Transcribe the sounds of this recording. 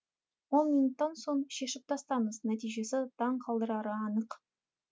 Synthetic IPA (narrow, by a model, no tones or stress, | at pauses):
wo̞nminut̪ːɑnso̞ɴʃe̞ʃɪp̚t̪ʰɑst̪ɑməznæt̪ijʒe̞sɪt̪ʰɑɴqʰɑlˠd̪əɾɑɾəɑnəq